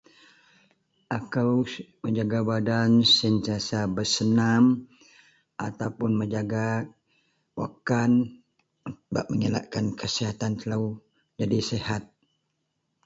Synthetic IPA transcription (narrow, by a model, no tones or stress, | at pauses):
ʔakawməɲd͡ʒaɡabadansənt̪iasabəsənam | ʔa̰t̪awpʊnməɲd͡ʒaɡa | wa̰kan | ba̰ʔ̚məŋila̰ʔkankʰəsiɦat̪ant̪əlaw | d͡ʒadisehat̪̚